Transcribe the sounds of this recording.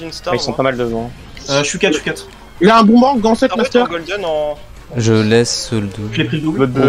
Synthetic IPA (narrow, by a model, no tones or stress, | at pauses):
ailsɔ̃pamald̪əvɑ̃ | øʃykʲat̪ʃykat̪ | ilaɛ̃bɔ̃bɑ̃ɡɑ̃sɛt̪mast̪œʁɡd̪ɔñ | ʒəlɛsːɔld̪oʒepχild̪u